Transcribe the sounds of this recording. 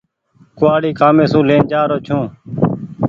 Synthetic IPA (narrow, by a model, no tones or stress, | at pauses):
kʊaːɽiːkaːmẽːsũːleːnd͡ʒaːɾoːt͡ʃʰũː